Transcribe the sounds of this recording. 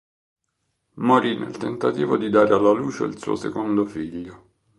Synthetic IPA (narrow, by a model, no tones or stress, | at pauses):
moɾinʔḛlt̪ent̪at̪iːvod̪id̪aːɾealːaluːt͡ʃḛḭlsṵːo̰sekond̪ofiʎːo